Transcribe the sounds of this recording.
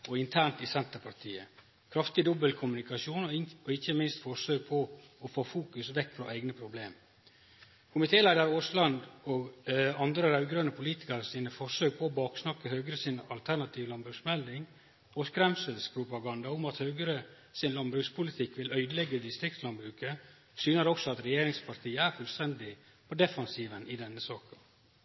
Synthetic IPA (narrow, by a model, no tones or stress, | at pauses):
ɔɪnt̪ʰæːɳʈ̪ɪsɛnt̪əɾpʰɑʈ̪ʰiːə | kʰɾɑft̪ɪd̪ɔbəlkʰʊmʉnɪkɑʂuːnɔɔɪçəmɪnst̪fɔʂøːɡ̚pʰɔɔfoːfuːkʉsʋɛkːfɾɔʔæɪɡnəpʰɾʊblḛːm | kʰʊmɪt̪ʰeːlæɪd̪əɾoːslɑnd̪ɔɡɑnd̪ɾəɾɑʉɡɾœnəpʰʊliːt̪ɪ̥kɑɾsiːnəfɔʂøːɡ̚pʰɔɔbɑːksnɑkːəhøːɡəɾəsɪnɑ̰lt̪ʰæɳɑt̪ʰiːʋlɑnbɾʉːksmɛld̪ɪŋ | ɔskɾɛmsəlspʰɾʊpɑɡɑnd̪ɑʊmɑt̪hœːɡəɾə | sɪnlɑnbɾʉkspʰʊlɪt̪ʰɪkːʋɪlœʏd̪əlɛɡːəd̪ɪst̪ɾɪkt̪slɑnbɾʉːkə | syːnəɾɔksɔɑt̪ɾɛjeːɾɪŋspʰɑɾt̪ʰiːəæɾfʉlst̪ɛnd̪ɪ | pɔd̪ɛfɑnsiːʋənɪd̪ɛnːəsɑːkə